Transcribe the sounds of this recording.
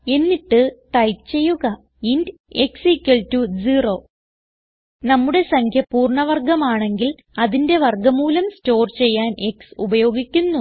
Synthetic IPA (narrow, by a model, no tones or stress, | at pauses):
e̞nːiʈːɨʈɐjpt͡ɕe̞jːuɣɐ | inde̞ksikʲːɐltːud͡ʑiro̞ː | nɐmːuɽe̞sɐŋkʰjɐpuːrɳɐʋɐrɡɐmaːɳe̞ŋɡil | ɐðinde̞ʋɐrɡɐmːuːlɐmsto̞ːrt͡ɕe̞jːaːne̞ksubɐjo̞ːɡikʲːunːu